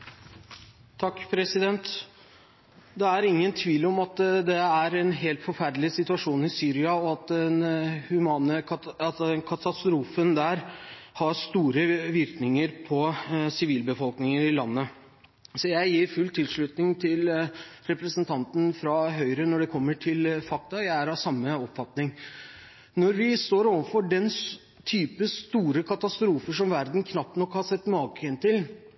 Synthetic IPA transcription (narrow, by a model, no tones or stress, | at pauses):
t̪ʰɑkːpʰɾɛsɪd̪ɛnt̪ | d̪ɛæɾɪŋːənt̪ʰʋiːlɔmɑt̪d̪ɛæɾɛnɦeːlt̪fɔɾfæɾd̪lɪsɪt̪ʉɑʂuːnɪsyːɾɪɑɔɑt̪ɛnhʉmɑːnə | kʰɑt̪ɑst̪ɾuːfənd̪æːɾhɑɾʂt̪uːɾəʋɪɾknɪŋəɾpʰɔsɪʋiːlbəfɔlknɪŋəɾɪlɑnːə | sɔjæɪjiːɾfʉlt̪ʰɪlʂɭʉt̪nɪŋt̪ʰɪlɾɛpɾəsənt̪ʰɑnt̪n̩fɾɑɦœʏɾənɔɖɛkʰɔmːəʈʰɪlfɑk̚t̪ɑjæɪæɾɑsɑmːəɔpfɑt̪nɪŋ | nɔɾʋɪst̪oːɾoːʋɑnfɔɖɛn | t̪ʰyːpəst̪uːɾəkʰɑt̪ɑst̪ɾuːfəʂɔmʋæɾd̪nkʰnɑp̚t̪nɔkhɑsɛt̪ːmɑːkəɛnt̪ɪl